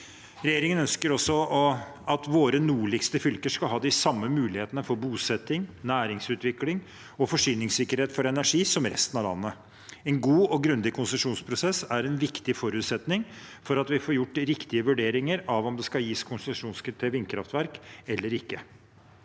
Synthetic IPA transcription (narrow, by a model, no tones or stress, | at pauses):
ɾɛjeːɾɪŋənœnskəɾɔsːɔɔɑt̪ʋoːɾənuːɭɪɡst̪əfʏlkəʂkɑlɦɑːd̪ɪsɑmːəmʉːlɪheːt̪ənəfɔɾbuːsɛt̪ːɪŋnæːɾɪŋsʉːt̪ʋɪklɪŋ | ɔfɔʂyːnɪŋsɪkːəɾheːt̪fɔɾɛnæʂiːsɔmɾɛ̰st̪nɑʋlɑ̰nːə | ɛnɡuːɔɡɾʉnd̪ɪkʰʊnsəʂuːnspʰɾʊsɛsæɾɛnʋɪkt̪ɪfɔɾʉːt̪sɛt̪nɪŋfɔɾɑt̪ʋɪfoːɾjʊʈːɾɪkt̪ɪəʋʉɖeːɾɪŋəɾɑʋɔmd̪ɛskɑljiːskʰʊnsəʂuːnskʰɾɪt̪ʰeːʋɪnkʰɾɑft̪ʋæɾkɛlːəɾɪkːə